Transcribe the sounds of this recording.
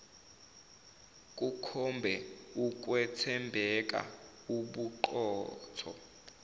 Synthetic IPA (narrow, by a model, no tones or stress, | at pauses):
k̬ʼukʰɔmbʱɛuk̬wɛtʰɛmbʱɛk̬ʼa̰ | uɓuǃɔːtʰɔ̰